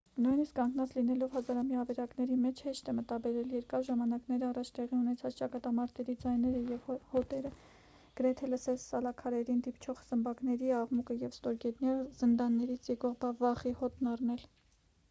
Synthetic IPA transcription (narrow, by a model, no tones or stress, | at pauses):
nujniskːɑŋɡnɑt͡slinɛlɔvhɑzɑɾɑmjɑvɛɾɑknɛɾimɛt͡ʃʰhɛʃt̪ɛmət̪ɑbɛɾɛljɛɾkɑɾʒɑmɑnɑkn̪ɛɾɑrɑt͡ʃʰt̪ɛʁiunɛt͡sʰɑt͡st͡ʃɑkɑt̪ɑmɑɾt̪ɛɾid͡zɑjnɛɾəjɛvhɔt̪ɛɾə | ɡ̥əɾɛt̪ʰɛləsɛlsɑlɑkʰɑɾɛɾind̪ipt͡ʃʰɔʁz̥əmbɑknɛɾiɑʁmukəjɛvst̪ɔɾɡɛt̪njɛɾzənd̪ɑnːɛɾit͡sʰjɛkɔʁbɑvɑχihɔt̪nɑrnɛl